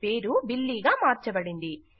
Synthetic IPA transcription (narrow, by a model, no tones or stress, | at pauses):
pe̞ːɾubilːiːɡaːmaːɾt͡ʃɐbɐɽind̪i